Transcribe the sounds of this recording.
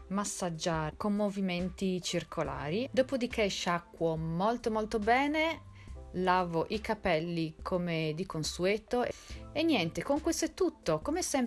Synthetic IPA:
masːad͡ʒaːɾkomːoviment̪it͡ʃirkʰola̰ːɾid̪oːpod̪ik̟eʃakːwomolt̪omolt̪obɛːne | laːvoʔikapɛlːikʰomed̪ikonsuɛːt̪oʔenːjɛnt̪ekoŋkwest̪oɛt̪ːut̪ːokomesɛm

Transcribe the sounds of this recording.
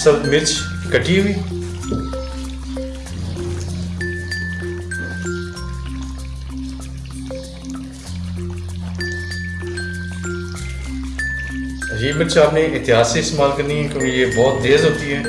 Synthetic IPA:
səlt̪mɪɾt͡ʃʰ | kəʈːiɦʊiː | jeːmɪt͡ʃaːpnẽʔɪt̪ɪɦaːsẽɪst̪eːmaːlkəɾniɦɛːkjõːkejeːbɔːt̪̚d̪eːzɦoːt̪iɦɛː

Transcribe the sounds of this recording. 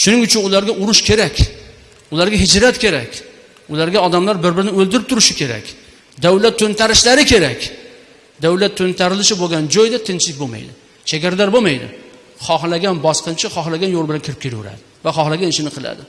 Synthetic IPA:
ʃʊnɪŋʊt͡ʃʰɪnʊlaɾɡʲaʔʊɾʊʃkʲʰe̞ɾakʲ | ʊlaɾɡʲaɦɪd͡ʒɾat̪kʲʰe̞ɾakʲ | ʊlaɾɡʲaɒd̪amlaɾbɪɾbɪɾɪnɪɵlˠd̪ɪɾɪpt̪ʰʊɾɪʃɪkʲe̞ɾa̰kʲ | d̪awlat̪ʰːɵnt̪ʰaɾɪʃlaɾɪkʲʰe̞ɾakʲ | d̪awlat̪ʰːɵnt̪ʰaɾɪlɪʃɪboɡʲand͡ʒɒjd̪at̪ʰɪnt͡ʃlɪk̚ʲboma̰jd̪ɪ | t͡ʃʰaɡʲaɾad̪aɾbomajd̪ɪ̰ | χɒχlaɡʲanbɒsqɨnt͡ʃʰɪχɒχlaɡʲanjolˠbɪlankʲʰɪɾɪp̚kʲʰeljʊ̰ɾa̰d̪ɪvaχɒhlˠaɡʲanɪʃɪnɪqʰɨlˠa̰d̪ɪ

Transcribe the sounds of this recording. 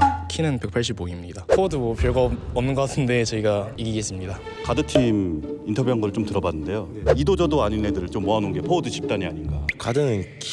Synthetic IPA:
kʰinɯnpe̞k̚pʰaɭɕ̬͈iboimɲidapʰoduwʌpjʌɭɡaʌmnɯnɡʌk͈atʰɯnde̞t͡ɕʌiɡaiɡiɡe̞s͈ɯmɲida | kadɯtʰimintʰʌbjuɦanɡʌɾɯɭt͡ɕ͈omtɯɾʌbanːɯnde̞jo | idod͡ʑʌdoaɲinːedɯɾɯɭt͡ɕomːoɦanunɡe̞pʰodɯɕʰi̥p̚t͈aɲiaɲinɡakadɯkʰ

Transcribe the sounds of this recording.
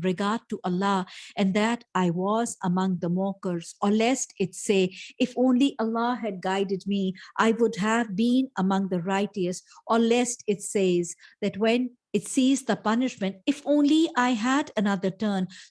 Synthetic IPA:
ɾɪɡaːɾd̚ʈuʔəlːɑɨ̃nd̪æʈaɪwɔzəmʌ̃ŋðəmɔːkəɾz̥ɔlɛstɪtseːɪfõːnliʔəlːɑɦɨd̚ɡaɪdɨd̚miʔaɪwʊdɦævbĩnəmʌ̃ŋðəɾaɪʈisʔɔlɛstɪtseɪzðæʈwɛ̃n | ɪtsiːzðəpʌnɪʃmɨ̃ntɪfõːnliʔaɪɦædənʌðəɾʈəːn

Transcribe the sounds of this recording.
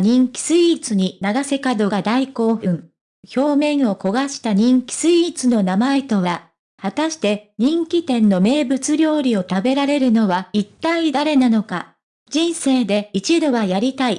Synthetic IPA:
ɲ̟ĩŋkʲi̥sɨit͡sɨɲ̟inaɡase̞kad̪o̞ɡad̪aiko̞ːɸɯ̟̃ɴ | ço̞ːmẽ̞ɰ̃o̞ko̞ɡaɕi̥t̪aɲ̟ĩŋkʲi̥sɨit͡sɨno̞namae̞t̪o̞βaɾa | hat̪aɕi̥t̪e̞ɲ̟ĩŋkʲit̪ẽ̞nːo̞me̞ːbɯ̟t͡sɨɾʲo̞ːɾʲio̞t̪abe̞ɾaɾe̞ɾɯ̟no̞βait̪ːaid̪aɾe̞nano̞ka̰ | d͡ʑĩɰ̃se̞ːd̪e̞it͡ɕid̪o̞βajaɾʲit̪ai

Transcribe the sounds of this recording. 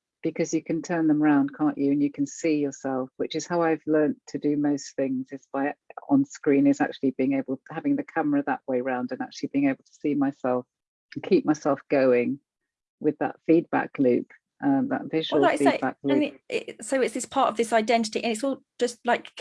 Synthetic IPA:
b̥ɨkʰʌzjɨkʰɨ̃ntʰɜ̃˞nðə̃məɹãʊ̃nd̚kʰɑ̃ˑnt͡ʃɨɨ̃njɨkʰɨ̃nsijə˞sɛlˠfwɨt͡ʃɨz̥haʊaɪvlɜ̃˞ntʰɨdɨməʊsθɪ̃ŋzd͡ʒʌsb̥aɪə̰̃nskɹĩnɪza̰k̚t͡ʃʉl̩ˠibiɪ̃ŋeɪbəlˠhavɪ̃ŋðɨkʰʌməɹəðə̰ʔweɪɹãʊ̃ndɨ̃nak̚t͡ʃʉl̩ˠib̥iːɪ̃ŋeɪbl̩ˠtʰə̥simaɪsɛlˠf | ə̃nkʰiˑp̚maɪsɛlˠfɡ̥oʊɪ̃ŋ | wɪðə̰tfid̚ba̰klʉ̰ˑp | ʔʌ̃ðə̰tvɪl̩fiːbak̚lʉɪsoʊɪtsðɪspʰɑˑtəvðɪsaɪdɛ̃ntɪ̥tiʔɨ̃nɪtsɔl̥ˠ | d͡ʒ̥ʌstlaɪk

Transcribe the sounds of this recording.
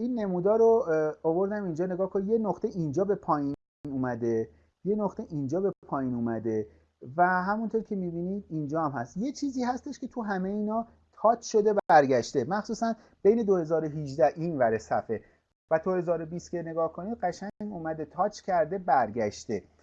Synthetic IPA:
iːnːe̞muːd̪ɒːɾoːvo̞ɾd̪æmind͡ʒɒːne̞ɡɒːhkʰonije̞noxt̪e̞ʔind͡ʒɒːbe̞pʰɒːji | nuːmæd̪e̞ | je̞noχt̪eʔind͡ʒɒːbe̞pʰɒːjinuːmæd̪e̞ | væɦæmunt̪ʰoɾcʰe̞miːbiːnid̪ind͡ʒɒːæmhæst̪je̞t͡ʃʰiːziːhæst̪e̞ʃkʲʰe̞t̪ʰuɦæme̞iːnɒː | t̪ʰɒːt͡ʃʰʃo̞d̪e̞bææɾɟæʃt̪emæxsuːsæn | be̞jne̞d̪ohe̞zɒːɾoɦid͡ʒd̪æhʔinvæɾesæfe̞ | væt̪ʰohe̞zɒːɾo̞bist̪cʰʲene̞ɡɒːhkʰonid̪̚ɢæʃæŋɡuːmæd̪e̞t̪ʰɒːt͡ʃʰcʰæɾd̪e̞bæɾɟæʃt̪e̞

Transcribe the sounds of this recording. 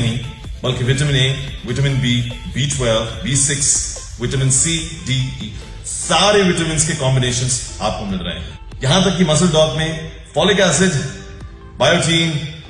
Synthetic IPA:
nɦĩ | bɐlkiʋɪʈəmɪ̃neːʋɪʈəmɪ̃nbiːbiːʈʰwɛlbiːsɪks | ʋɪʈəmɪ̃nsiːɖiiː | saːɾeʋɪʈəmɪ̃nskekɔ̃ːmbɪneːʃə̃nzaːp̚komɪlɾɐ̰ɦḛ̃ | jɐɦãt̪ɐkːimɐs̬əld̪ɔːkmẽ | fɔːlikaːsɪɖ | baːjoːʈʰiːn

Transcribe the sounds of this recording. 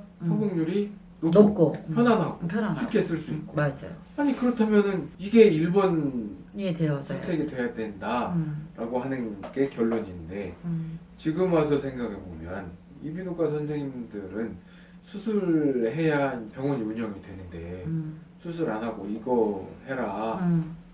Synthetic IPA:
pʰʌɡuŋɲuɾi | nook͈opʰjʌnanɦaɡopʰjnaɕʰukʰe̞sʰuɭs͈uik̚k͈oad͡ʑa̰ | aɲikɯɾʌtʰamjʌnɯniɡe̞iɭboneostʰe̞ɡidwe̞jadwe̞ndaɾʔaɡoɦanɯnɡ̥e̞kjʌɭːoɲinde̞ | t͡ɕiɡɯmas̬ʰʌsʰe̞ŋɡaɡebomjʌn | ibinok͈asʰʌnsʰeŋindɯɾɯn | sʰusʰuɾɭɾɦe̞jaɦnpjʌŋwʌɲiuɲʌŋidwe̞nɯnde̞ | sʰusʰuɾanɦaɡoiɡʌhe̞ɾa

